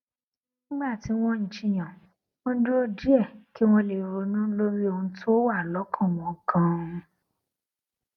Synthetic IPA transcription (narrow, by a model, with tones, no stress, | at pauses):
ñ̩˦ɡ͡ba˦˨ti˨˦w̃ɔ̃˦ɲ̩̃˨˧t͡ʃi˦˨j̃ã˨ | wɔ̃˦n̩˦du˦o˦di˦ɛ˦˨ki˦w̃ɔ̃˦le˨ɾo˧nũ˦lo˦ɾi˦o˧hũ˧˦to˦o˦wa˦˨lɔ˨˦kʰã˦˨w̃ɔ̃˨˧˨kã˦ũ˧